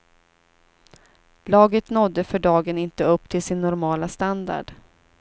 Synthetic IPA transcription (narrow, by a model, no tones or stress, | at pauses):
lɑːɡət̪nɔd̪ːəfœɖɑːɡənɪnt̪əɵpːt̪ʰɪlsɪnːɔɾmɑːlast̪and̪a̰ɖ̥